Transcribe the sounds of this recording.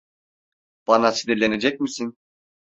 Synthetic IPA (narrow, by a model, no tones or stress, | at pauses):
b̥ɑnasid̪iɾlʲe̞ne̞d͡ʒɛc̚misin